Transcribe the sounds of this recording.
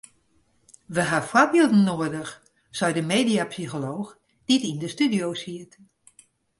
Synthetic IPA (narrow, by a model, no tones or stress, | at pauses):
ʋəɦafɔrbilˠdn̩ːoədəx | sɔɥdəmeːdiapsixoloːx | d̥itindəstydiowsiət